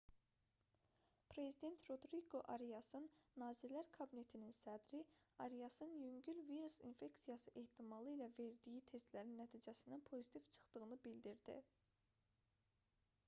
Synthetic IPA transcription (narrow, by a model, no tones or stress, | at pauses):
pʰɾe̞zid̪e̞nt̪ʰɾo̞d̪ɾiɡo̞ʔɑɾijɑsɯnːɑːziɾlæɾkʰɑbine̞t̪ʰininsæd̪ɾiɑɾijɑsɯnjyŋɟylviɾusḭnfe̞ksijɑsɯʔe̞ht̪ʰimɑlˠɯilæve̞ɾd̪ijit̪ʰe̞st̪læɾinːæt̪ʰiːd͡ʒæsinænpʰo̞zit̪ʰiv̥t͡ʃʰɯ̥χt̪ɯɣɯnɯbild̪iɾd̪ḭ